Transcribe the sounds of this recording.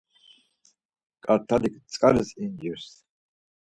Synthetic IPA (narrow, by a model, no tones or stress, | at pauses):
kʼaɾt̪ʰalikʰt͡sʼkʼaɾɛsind͡ʒiɾs